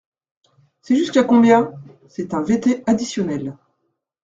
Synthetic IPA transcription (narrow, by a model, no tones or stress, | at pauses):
sɛʒyskakɔ̃bjɛ̃ | sɛt̪ɛ̃vet̪ead̪isjɔnɛl